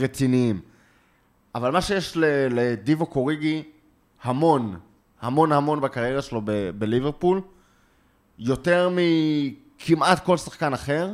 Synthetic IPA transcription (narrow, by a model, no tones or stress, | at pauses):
ʁet͡siniim | avalmaʃejeʃleled̪ivokoʁiɡi | hamo̞n | hamo̞nhamo̞nbakaʁjeʁaʃelo̞bebeliveʁpul | jo̞te̞ʁmi | kʰimʔat̪ko̞lsḁχkanaχe̞ʁ